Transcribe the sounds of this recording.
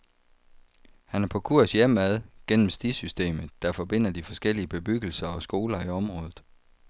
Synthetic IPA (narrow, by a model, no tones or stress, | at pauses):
hænæɐpʰɒ̽kʰuɐ̰sjem̰æðˠɡ̥en̰m̩sd̥isysd̥e̝̰ːmð̩ˠd̥ɑ̈fɒ̽b̥e̝n̰ɐd̥ifɒ̽sɡ̥el̰iəb̥e̝b̥yɡ̥l̩sɐɒ̽sɡ̥o̝ːlɐiɒ̽mʁɔ̽ːðˠð̩ˠ